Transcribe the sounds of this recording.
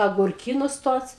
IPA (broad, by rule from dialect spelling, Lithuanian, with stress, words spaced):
ɐɡʊrʲˈkʲiːnʊs ˈtuɔs